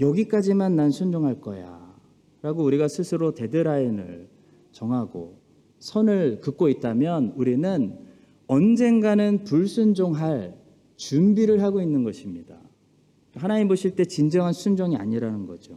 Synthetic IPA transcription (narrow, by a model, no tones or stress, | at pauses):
jʌɡik͈ad͡ʑimanːansʰund͡ʑoŋɦaɭk͈ʌ̰ja̰ | ɾaɡouɾiɡasʰɯsʰɯɾote̞dɯɾainɯ̰ɭ | t͡ɕʌŋɦaɡo̰ | sʰʌnɯɭkɯk̚k͈oit̚t͈amjʌnuɾinɯn | ʌnd͡ʑe̞ŋɡanɯnpuɭsʰund͡ʑoŋɦaɭ | t͡ɕumbiɾɯɭɦaɡoinːɯnɡʌɕʰimɲida̰ | ɦanaimoɕʰiɭt͈e̞t͡ɕind͡ʑʌŋɦansʰund͡ʑʌŋia̰ɲiɾanɯnɡʌd͡ʑo